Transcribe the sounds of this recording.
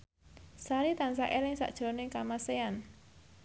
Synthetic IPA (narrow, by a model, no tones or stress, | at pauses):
saɾit̪ansaʔelɪŋsa̰ʔd̥ʒ̥onɪŋkamasean